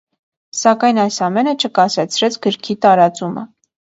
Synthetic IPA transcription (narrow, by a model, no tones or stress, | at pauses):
sɑkɑjnɑjsɑmɛnət͡ʃʰəkɑsɛt͡sʰɾɛt͡sʰɡəɾkʰit̪ɑɾɑt͡sumə̰